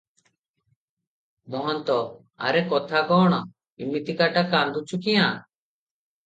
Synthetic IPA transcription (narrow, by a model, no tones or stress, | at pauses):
mɔɦɔnt̪ɔ | a̰ɾɛkɔt̪ʰakɔːɽ̃ɔ | imit̪ikaʈakand̪ut͡ʃʰukijã